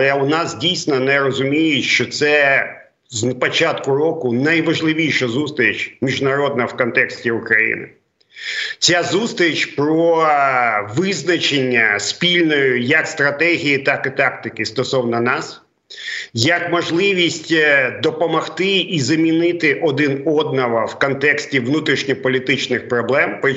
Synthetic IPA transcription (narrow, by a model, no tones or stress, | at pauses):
ɐʊnɑsdʲijsʲnɔnɛɾɔzʊmʲijɪtʲʃt͡ʃɔt̪sɛ | zpɔt͡ʃat̪kʊɾɔkʊnɐjʋɐʒlˠɪʋʲijʃɐzust̪ɾʲɪt͡ʃmʲiʒnɐɾɔd̪̚nɐwkɔnt̪ɛksʲtʲiukɾɐjḭnɪ̰ | t͡sʲazust̪ɾʲɪt͡ʃʲpɾɔ | ʋɪznɐt͡ʃenʲːɐspʲilʲnɔjʊjɐkst̪ɾɐt̪ɛɦʲijit̪akɪt̪ɑkt̪ɪkɪst̪ɔsɔwnɐnɑs | jɐkmɔʒlˠɪʋʲisʲtʲd̪ɔpɔmɐxt̪ɪizɐmʲinɪt̪ɪʔɔd̪ɪnɔd̪̚nɐʋɐwkɔnt̪ɛksʲtʲiʋnut̪ɾʲiʃnʲɔpɔlʲit̪ɪt͡ʃnɪxpɾɔblˠɛmpɾɪ